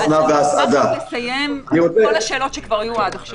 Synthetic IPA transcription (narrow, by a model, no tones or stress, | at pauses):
naveasad̪anesajemniʁoekolaʃe̞ːlo̞tʃekvaʁajuad̪aχʃa